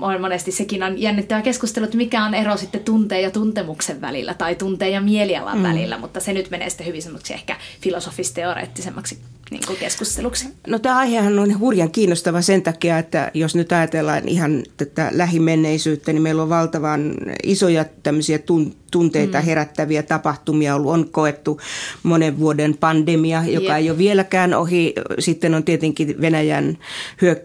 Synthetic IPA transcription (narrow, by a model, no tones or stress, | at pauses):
ʔonmonest̪issekinonjænːit̪ːæʋækeskust̪eluet̪ːmikæonerosit̪ːet̪unt̪eːjɑt̪unt̪emukseʋʋæ̰lḭlːæ̰t̪ɑit̪unt̪eːjjɑmieliɑ̰lɑ̰ʋʋæ̰lḭlːæ̰mut̪ːɑsenyt̪menḛːsi̥t̪ːæhyʋisemːose̥ksiḛhkæfilosofist̪eorḛːt̪ːisemːɑksi̥ | nḭːŋkukeskust̪eluksi̥not̪æːɑihehɑnonhurjɑŋkiːnːost̪ɑʋɑsent̪ɑkiɑet̪ːæ̰josnyt̪ɑjɑt̪elːɑ̰ːnḭhɑnt̪æt̪ːæ̰læhimenːeisyːt̪ːænimeilːoʋʋɑlt̪ɑʋɑnisojɑt̪æmːøsiæt̪unt̪unt̪eit̪ɑheræt̪ːæʋiæt̪ɑpɑht̪umiɑolːuonkoet̪ːumoneʋʋuodenpɑndemiɑjokɑeijoʋielækæːno̰hisit̪ːenont̪iet̪eŋkiʋenæjænhyø